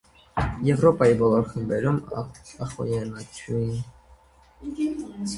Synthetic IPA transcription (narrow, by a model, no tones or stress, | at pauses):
jɛvɾɔpɑjibɔlɔɾχəmbɛɾumɑ̰ɑχɔ̰jɛnɑt͡ʃʰuin